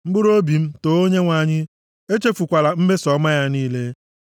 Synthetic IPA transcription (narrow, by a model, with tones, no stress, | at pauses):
m̩˦ɡ͡bʊ˦ɾo˦bi˨m̩˦to˨o˦ɲe˦ŋʷa˨ɲɪ˦ | e˦t͡ʃe˦fu˨kʷa˨la˨m̩˦me˦sɔ˨˦ma˦ja˦niː˦le˦